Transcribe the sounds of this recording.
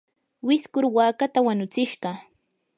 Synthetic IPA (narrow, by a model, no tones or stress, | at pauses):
wɪskʊɾwaːkat̪awanʊt͡sɪʃɢɑ